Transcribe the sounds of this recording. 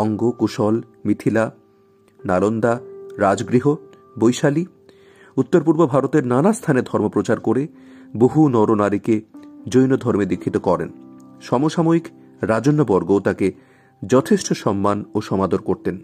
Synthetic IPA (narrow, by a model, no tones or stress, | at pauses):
ɔŋɡokuʃɔlmit̪ʰila | nalond̪aɾad͡ʑɡɾiɦo | bojʃali | ut̪ːoɾpuɾbobʱaɾot̪eɾnanast̪ʰaned̪ʱɔɾmopɾot͡ɕaɾkoɾe | boɦunɔɾonaɾiked͡ʑojnod̪ʱɔɾmed̪ikʰːit̪okɔɾḛn | ʃɔmoʃamoik | ɾad͡ʑonːobɔɾɡot̪ake | d͡ʑɔt̪ʰeʃʈoʃɔmːanoʃɔmad̪oɾkoɾt̪en